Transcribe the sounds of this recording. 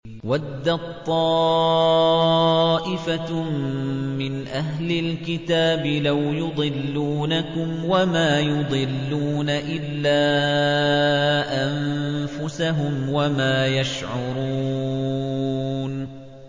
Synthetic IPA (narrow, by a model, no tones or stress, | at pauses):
wad̪ːat̪ˤːɑː | ʔɪfa | mɪnʔaɦlɪlkɪt̪aːbɪlawjʊd̪ˤɨlːuːnakʊmwamaːjʊd̪ˤɨlːuːnaʔɪlːaː | ʔamfʊsaɦʊmwamaːjaʃʕʊɾuː | n